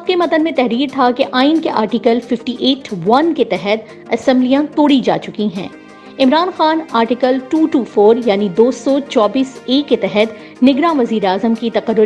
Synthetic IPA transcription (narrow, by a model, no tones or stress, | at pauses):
ap̚kemɐt̪ənmẽt̪ɛɦɾiːɾt̪ʰakeʔaːɪnkeʔa̰ːɾʈikəlfɪfʈiʔeːʈʋɐnket̪ɛɦɛt̪̚ | ɐsɛ̃mblijãt̪oːɽid͡ʒa̰ːt͡ʃʊkiɦɛ̰̃ː | ɪmɾaːnxaːnaːɾʈɪkəlʈuːʈuːfoːɾjaːnid̪oːsɔt͡ʃɔːbiːseːkːet̪ɛɦɛt̪ | nɪɡɾãʋɐziːɾeaːzəmkit̪ɐqəɾːʊ